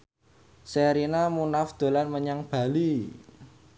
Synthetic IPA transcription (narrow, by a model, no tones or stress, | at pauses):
seɾinamunafd̪̥o̤lanməɲaŋb̥a̤li